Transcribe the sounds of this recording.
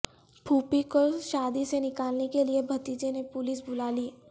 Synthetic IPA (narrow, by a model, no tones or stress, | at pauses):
bʰʱuːpikoʃaːd̪isenɪkaːlnekeliebʱɐt̪iːd͡ʒenepʊlisbʊlaːliː